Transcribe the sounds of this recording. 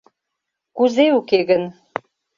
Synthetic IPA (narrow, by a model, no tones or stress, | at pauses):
kuzeukeɣən